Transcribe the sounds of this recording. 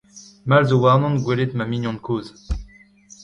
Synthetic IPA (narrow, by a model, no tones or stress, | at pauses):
malzowaʁnɔ̃nɡwelet̪mamiɲjɔ̃d̪kʰoːz